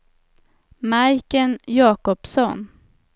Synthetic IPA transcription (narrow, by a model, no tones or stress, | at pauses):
majkənjɑːkɔpsɔn